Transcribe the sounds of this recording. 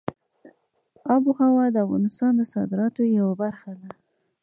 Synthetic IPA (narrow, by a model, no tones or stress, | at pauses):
ɑbuɣawɑd̪əafɣɑ̰nɪst̪ɑnd̪əsɑ̰d̪ɪɾɑt̪ojawabaɾxad̪a